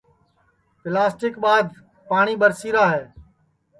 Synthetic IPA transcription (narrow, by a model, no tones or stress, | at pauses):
pɪlaːsʈɪkɓaːd̪ | paːɳiːɓəɾsiːɾaːɦɛː